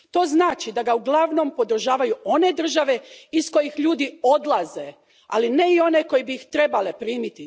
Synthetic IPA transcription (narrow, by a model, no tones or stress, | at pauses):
t̪o̞ːznaːt͡ʃid̪aɡauɡlˠaʋno̞mpo̞d̪ɾ̩ʒaːʋajuo̞ne̞d̪r̩ʒaʋe̞isko̞jixʎuːd̪iod̪lˠaze̞ | a̰line̞io̞ne̞ko̞jebiixt̪ɾe̞bale̞pɾiːmit̪i